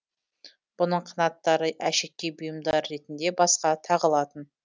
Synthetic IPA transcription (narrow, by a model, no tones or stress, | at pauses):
b̥ʊnəɴqʰənɑt̪ːɑɾəʔæʃek̚ʲkʲːejbʊjəmd̪ɑɾːe̞t̪ɪnd̪e̞bɑsqɑt̪ʰɑʁəlˠɑt̪ən